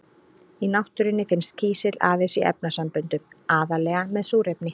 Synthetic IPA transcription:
inawht̪ʏɾɪnːɪfɪnst̪cʰiːsɪla̰ːðɪsiʔɛ̰p̚nasampʏnt̪ʏmaːðalɛːɣamɛðsuːɾɛpnɪ

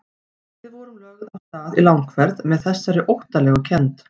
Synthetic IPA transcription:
vɪðvɔɾʏmlœːɣʏðawst̪aːðilawŋkʰvɛɾðmɛðθɛsːaɾɪʔowht̪alɛːɣʏcʰɛnt̪

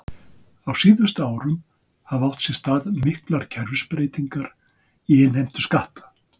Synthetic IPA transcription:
awsiːðʏst̪aaːwɾʏm | havaw̥t̪sjɛst̪aːðmɪhklaɾ̥cʰɛɾvɪspɾejt̪iŋkaɾ | iɪnhejm̥t̪ʏskaht̪ḁ

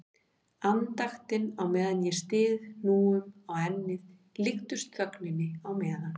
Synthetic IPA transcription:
ant̪axt̪ɪnawmɛːðanjɛst̪ɪːðnuːʏmaɣɛnːɪð | lɪxt̪ʏst̪kœknɪnːɪawmɛːðan

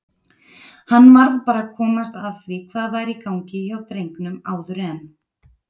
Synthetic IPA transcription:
hanːmaɾðpaːɾakʰɔːmast̪aðθvikʰvaːðvajɾikawɲcɪçawt̪ɾejŋknʏmaːwðʏɾɛn

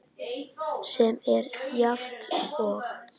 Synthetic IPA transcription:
sɛmɛɾjaft̪ɔɣ

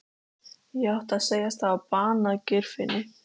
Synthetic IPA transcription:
jɛawht̪aðseːjast̪θavapaːnacʏɾ̥fɪnɪ

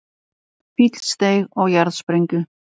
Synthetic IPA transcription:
fit̪l̥st̪ejɣɔɣjaɾðspɾejŋcʏ

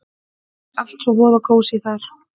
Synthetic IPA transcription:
al̥t̪sɔɣvɔːðakʰoːwsɪθaɾ̥

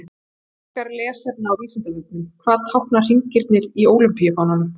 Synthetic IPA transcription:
hkaɾlɛːsaɾnaːwviːsɪnt̪aviːt̪̚nɪmkʰvaːðt̪ʰawhknar̥iɲcɪɾt̪nɪɾioːwlʏmpijafawnan

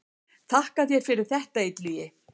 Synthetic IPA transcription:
θʰahkaðjɛɣfɪɾɪɾ̥θɛht̪aet̪lyjɪ

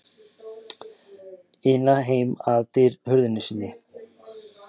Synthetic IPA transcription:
ɪnːaɦeːjmaðt̪ɪɾhʏɾðʏnːʏsiːnːɪ

